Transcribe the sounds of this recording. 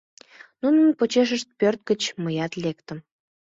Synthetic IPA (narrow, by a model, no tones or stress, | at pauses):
nunənpot͡ɕeʃ̬əʃt̪̚pørt̪̚ɡət͡ɕməjɑt̪lekt̪əm